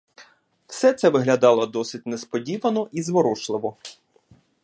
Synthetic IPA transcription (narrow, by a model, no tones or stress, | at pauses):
w̥sɛt̪sɛʋɪɦlʲɐd̪ɑlˠɔd̪ɔsɪt̚ʲnespɔdʲiʋɐnɔʔizʋɔɾɔʃlˠɪʋɔ